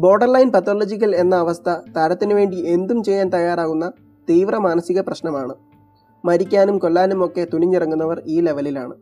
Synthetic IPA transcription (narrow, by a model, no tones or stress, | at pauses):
bo̞ːɖɐrlɐjnpɐt̪ːoːlod͡ʑikːɐle̞nːɐːʋɐst̪ʰɐt̪ɐɾɐt̪ːinuʋe̞ːɳɖie̞nd̪umt͡ɕe̞jːaːnt̪ɐjaːɾaːɣunːɐ | t̪iːʋrɐmaːnɐsiɣɐprɐɕnɐmaːɳɨ | mɐɾikʲːaːnumko̞lːaːnumo̞kːe̞t̪uniɲːirɐŋːunːɐʋɐriːle̞ʋɐlila̰ːɳɨ̰